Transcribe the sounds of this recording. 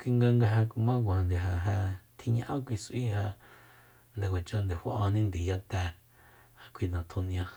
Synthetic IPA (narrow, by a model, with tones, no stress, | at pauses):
kʷi˧ŋɡa˧ŋɡa˧ɦa˧ku˧mã˦ɡʷã˨nd̪e˨ɦa˧ɦa˧t̪ʰi˧ɲã˧ʔã˦kʷi˧si˦ha˧ | nd̪e˨wa˨t͡ʃo˧nd̪e˨ha˧˦ʔo˧nĩ˦nd̪i˨ja˦t̪ɛ˧ | ha˧kʷʰi˧nã˨t̪ʰu˧ñ˧ã˧